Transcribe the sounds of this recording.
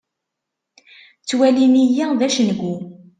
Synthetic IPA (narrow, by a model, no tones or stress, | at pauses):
t͡sːwælinijæðæʃənəɡʷːu